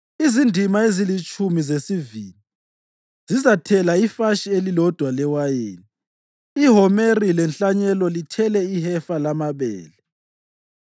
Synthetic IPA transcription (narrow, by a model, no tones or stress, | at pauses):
izindʱimaezilit͡ʃʼumizesiviːli | zizatʰɛlaifaʃielilɔd̥ʱwalɛwajeːniː | ɦɔmerilɛnt͡ɬaɲɛlɔlitʰɛlɛihɛfalamaβɛ̰ːlɛ